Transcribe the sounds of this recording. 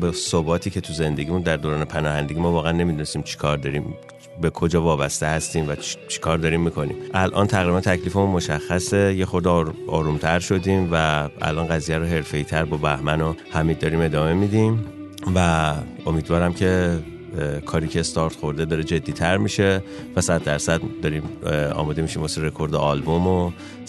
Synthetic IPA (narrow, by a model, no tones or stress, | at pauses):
besobɒːt̪ʰiːcʰe̞t̪ʰuze̞nd̪e̞ɟimund̪æɾd̪oːɾɒːne̞pʰænɒːhænd̪e̞ɡiːmɒːvɒːɣeænːe̞mid̪une̞st̪iːmt͡ʃʰi̥kʰɒːɾd̪ɒːɾiːm | be̞kʰo̞d͡ʒɒːvɒːbæst̪e̞hæst̪iːmvæt͡ʃʰi̥kʰɒːɾd̪ɒːɾiːmːikʰo̞nḭːmʔælʔɒ̰ːnt̪ʰæɣɾibænt̪ʰæcʰliːfemunmo̞ʃæxːæse̞jexo̞ɾd̪ʔɒːɾuːmt̪ʰæɾʃo̞d̪iːmvææ̰lʔɒːnɡæzijæɾoːɦe̞ɾfe̞iːt̪ʰæɾbɒːbæhmænohæmid̪ɒːɾiːme̞d̪ɒːme̞mid̪im | væ | o̞miːd̪vɒːɾæmcʰe̞ | kʰɒːɾiːcʰe̞st̪ɒːɾt̪χo̞ɾd̪e̞d̪ɒːɾe̞d͡ʒe̞d̪ːiːt̪ʰæɾmiʃe̞ | væsæd̪̚ːæɾsæd̪d̪ɒɾimɒ̰ːmɒːd̪e̞miʃimboseɾe̞kʰo̞ɾd̪eɒlbomo